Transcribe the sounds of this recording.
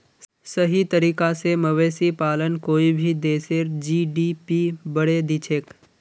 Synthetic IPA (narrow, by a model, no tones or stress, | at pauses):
səɦit̪əɾiːkaseməʋeːsipaːlənkoːibʱiːd̪eːseɾd͡ʒiɖipibəɽed̪it͡ʃʰek